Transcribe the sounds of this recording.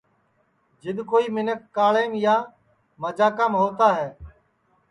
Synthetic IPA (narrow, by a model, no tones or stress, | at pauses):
d͡ʒɪɗ̪koːiːmɪnəkːaːɭeːmjaː | məd͡ʒaːkamɦoːt̪aːɦɛː